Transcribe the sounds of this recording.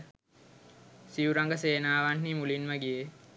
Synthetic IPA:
siuɾɐŋɡəseːnaːʋanːimulinʋɐɡije

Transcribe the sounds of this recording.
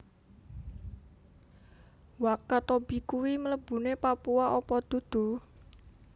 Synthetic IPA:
wakat̪ob̥i̤kuwimələb̥ṳnepapuaʔopɔd̪̥ṳd̪̥ṳ

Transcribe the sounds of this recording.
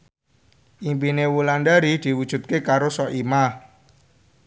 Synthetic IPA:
ʔimpinewuland̪aɾid̪̥i̤wud̥ʒ̥ṳt̪̚kekaɾosɔʔima

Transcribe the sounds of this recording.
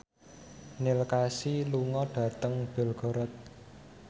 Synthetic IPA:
nɪlkasiluŋɔɖ̥ä̤t̪əŋb̥ɛ̤lɡ̥ɔ̤ɾɔt̪̚

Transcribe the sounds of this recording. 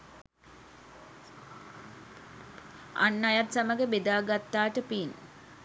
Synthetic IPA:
a̰nːajat̪saməɡəbed̪aːɡat̪ːaːʈəpin

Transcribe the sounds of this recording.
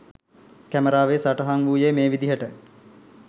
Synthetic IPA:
kæməɾaːʋesaʈəɦaŋʋuːjemeːʋid̪iɦəʈə

